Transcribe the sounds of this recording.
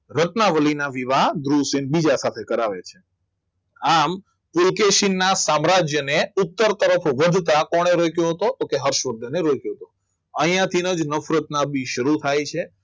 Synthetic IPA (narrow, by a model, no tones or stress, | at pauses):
ɾət̪naʋəlinaʋiʋaɦd̪ɾusinbid͡ʒasat̪ʰekəɾaʋḛt͡ʃʰe | am | pʊɾkeʃinːasamɾad͡ʒjəneut̪ːəɾt̪əɾəfʰʋəd̪ʱt̪akɔɽ̃eɾojkjõɦət̪ot̪okeɦəɾʃʋəd̪ʱəneɾojkjõɦət̪õ | ə̃ɦjãt̪ʰinəd͡ʒnəfɾət̪nabiʃəɾut̪ʰajt͡ʃʰe